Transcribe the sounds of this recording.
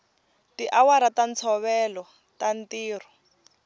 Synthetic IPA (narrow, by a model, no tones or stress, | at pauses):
tiʔawaɾatant͡sʰɔβɛlɔ | tantiːr̤ɔ